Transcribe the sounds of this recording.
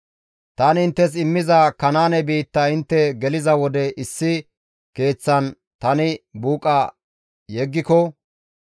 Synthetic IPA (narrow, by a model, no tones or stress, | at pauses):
t̪ɐnɪnt̪ːɛs̬ɪmːɪzɐkɐnaːnɛbiːt̪ːɐɪnt̪ːɛɡɛlɪzɐwɔd̪ɛʔɪsːɪ | ke̞ːt͡sːɐn | t̪ɐnɪbuːkʼɐ | jɛɡːɪkɔ